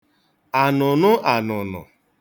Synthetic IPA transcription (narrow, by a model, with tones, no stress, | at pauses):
a˨nʊ˨nʊ˦ʔa˨nʊ˨nʊ̰˨